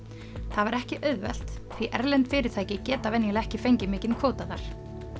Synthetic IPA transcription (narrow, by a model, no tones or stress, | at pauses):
θaðvaɾɛhcɪʔœɥðvɛ̰l̥t̪θviʔɛɾlɛnt̪fɪːɾɪɾ̥t̪ʰaːjcɪcɛːt̪avɛnjɛlɛhcɪfejɲcɪmɪːcɪnkʰoːwt̪aðaɾ̥